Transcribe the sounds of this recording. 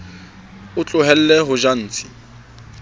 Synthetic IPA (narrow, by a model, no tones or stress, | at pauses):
ʊt͡ɬʼʊɦɛl̩lɛɦʊʒan̩ːt͡sʰʼi̥